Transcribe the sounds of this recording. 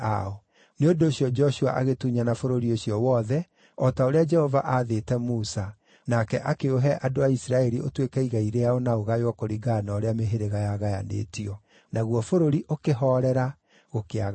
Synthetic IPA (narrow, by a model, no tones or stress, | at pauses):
a̰ɔ | neondoːɕijɔd͡ʒɔɕua̰ʔaɣetuɲanafoɾoɾioɕiɔwɔːðɛ | ɔtaoɾead͡ʒɛhɔvaʔaðetɛmusa | nakɛʔakeoɦɛʔadoaisiɾaɛɾiotwekɛiɣaiɾeaɔnaoɣajwakoɾiɡanaːɾeameɦeɾeɣajaɣaja̰nḛːtiɔ | naɣwɔfoɾoɾiʔokeɦɔɾɛɾa | ɣokeaɣ